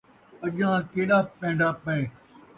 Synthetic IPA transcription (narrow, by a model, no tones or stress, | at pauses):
əʄãːkeːɗaːpẽːɳɖaːpəeː